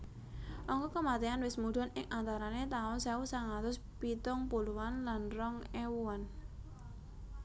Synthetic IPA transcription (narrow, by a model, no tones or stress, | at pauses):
ʔɔŋkɔkəmat̪eanwɪsmud̥̪ɔnɪŋʔant̪aɾanet̪aʊnsausaŋat̪ʊs | pit̪ʊŋpuluwanlanrɔŋewuan